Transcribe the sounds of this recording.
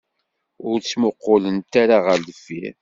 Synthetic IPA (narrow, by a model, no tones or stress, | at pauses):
ʊɾt͡sːmoqːʊlənt̪aɾaʁəɾləfi